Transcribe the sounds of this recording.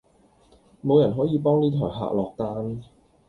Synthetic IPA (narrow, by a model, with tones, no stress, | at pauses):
mo˨˧wjɐ˨˩nɦɔː˨˥jiː˨˧pɔː˥ŋniː˥t̪ʰɔː˨˩jɦa̰ː˨˧k̚lɔː˨k̚t̪aː˥n